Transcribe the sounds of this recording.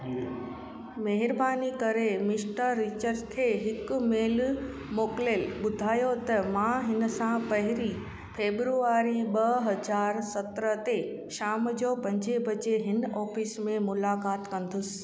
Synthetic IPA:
meɦɪɾbaːnikɐɾemɪsʈəɾːit͡ɕəɾd͡ʑkʰeːɦɪkmeːl | moːklelɓʊd̪ʱaːjot̪ɐmãɦɪnəsãpɐɦɪɾi | fʰeːbɾuaːɾiɓɐɦɐd͡ʑaːɾsɐt̪ɾət̪e | ʃaːmd͡ʑopɐ̃ɲd͡ʑebɐt͡ɕeɦɪnɔːfiːsmẽmʊlaːkaːt̪kɐ̃nd̪ʊsɪ̥̆

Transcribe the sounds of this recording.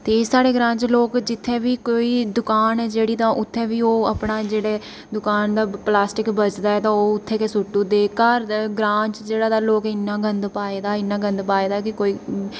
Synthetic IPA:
t̪eːsaːɽeːɡɾãːɲt͡ʃloːkd͡ʒɪt̪ʰːeːʋiːkoːiːd̪ʊkaːnɛːd͡ʒeːɽiːt̪ãːʔʊt̪ʰːeːʋiːoːəpnaːd͡ʒeːɽeː | d̪ʊkaːnd̪aːplaːsʈɪkbət͡ʃd̪aːɛːt̪ãːoːʊt̪ʰːeːkesʊʈːũːd̪eːkaːɾɡɾãːt͡ʃd͡ʒeːɽaːd̪aːloːkɪnːãːɡənd̪paːeːd̪aːɪnːãːɡənd̪paːeːd̪aːkɪkoːiː

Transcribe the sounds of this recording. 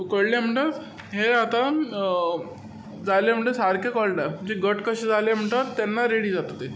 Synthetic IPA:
kəɽlem̤əɳʈat̪ | ɦeat̪a | d͡zalem̤əɳʈesaɾkʰekəɭɖad͡ʑiɡəʈkəɕed͡zalem̤əɳʈat̪ːanːaɾeɽiːd͡zat̪at̪e

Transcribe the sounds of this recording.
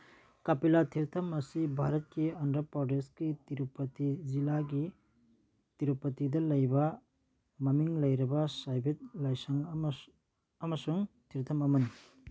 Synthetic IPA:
kapilatʰiɾtʰɐmɐsibʱaɾɐt̚kiɐndɾɐpɾɔdeskitiɾupɐtizilaɡi | tiɾupɐtidɐlɐjbɐ | mɐmiŋlɐjɾɐbɐsajbʱit̚lajsɐŋ | ɐmɐsuŋtʰiɾt̪ʰɐmɐmɐni

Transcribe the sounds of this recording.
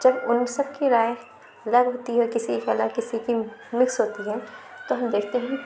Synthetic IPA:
d͡ʒɐbʊnsɐbkiɾaːe | ɐlɐɡɦoːt̪iɦɛkɪsikaləɡkɪsikimɪksɦoːt̪iɦɛt̪oɦɐmd̪eːkʰt̪eɦɛ̃ki

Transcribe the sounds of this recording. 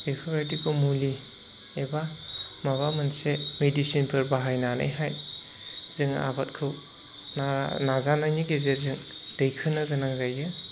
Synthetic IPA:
pekʰuɾatikʰɯwmuli | ebamaβamɯnsemedisinpʰɯɾbaɦajnana̰jɦaj | zɯŋa̰bat̚kʰɯw | nanazanajniɡezeɾzɯŋ | d̥ɐjkʰɯnːɐɡɯnaŋzajɯ

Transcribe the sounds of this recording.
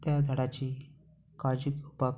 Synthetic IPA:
t̪jad͡zʱəɽat͡ɕiː | kad͡ʑikupa

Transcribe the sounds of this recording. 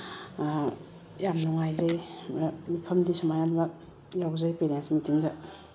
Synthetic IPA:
jamnɔŋajzaj | mipʰɐmdisɔmajanba | jawzajpeɾensmitiŋza

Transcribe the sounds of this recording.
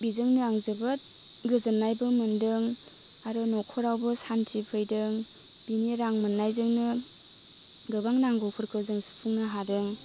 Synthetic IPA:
bizɯŋnɯaŋzɯbɯt̚ɡɯzɯnːajbɯmɯndɯŋaɾɯnɔkʰɔɾawbɯsantʰipʰɯjdɯŋ | b̥iniɾaŋmɯnːajzɯŋnɯ | ɡɯbaŋnaŋɡɔpʰɯɾkʰɯzɯŋsu̥pʰuŋnɯɦadɯŋ

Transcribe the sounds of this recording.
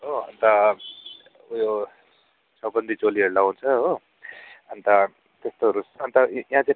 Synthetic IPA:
ɦoʌ̰nt̪ʌ | jo | sʌbʌnd̪ʱit͡soliɦeɾlaɦunt͡sʰʌɦo | ʌnt̪ʌ | t̪est̪oʌɾusːnt̪ʌjɦãt͡sã

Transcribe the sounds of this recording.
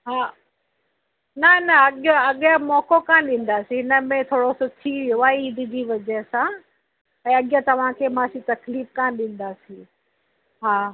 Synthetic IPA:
ɦaː | nɐnɐɐɠoɐɠãmɔːkokãːɗĩːn̆d̪aːsĩɦɪnəmẽt̪ʰoːɽosʊt̪ʰiʋijoaːɦeiːd̪ʱɪd͡ʑiːʋɐd͡ʑɛsã | ɛ̃ːɐɠjãt̪ɐʋ̤ãkʰeːmãːsĩt̪ɐkliːfkãːɗĩːn̆d̪aːsĩ | ɦaː

